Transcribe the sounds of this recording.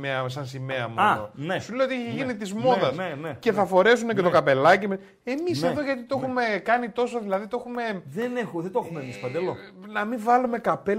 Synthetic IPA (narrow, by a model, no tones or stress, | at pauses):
eɐsɐnsime̞ɐmoɐnesulejot̪eçeʝinit̪izmo̞ðɐsenece̞θɐfo̞ɾe̞s̬unecet̪okɐpe̞lɐcimɐ | e̞miseðo̞ʝɐt̪it̪oe̞xume̞kɐnit̪o̞so̞ðilɐðit̪oe̞xume̞ðenexuðed̪oexumemispɐnd̪elonɐmiɱvɐlume̞kɐpe